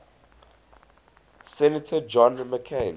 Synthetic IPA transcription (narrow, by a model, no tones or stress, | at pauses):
sɛnətʰəd͡ʒɔ̃nməkʰen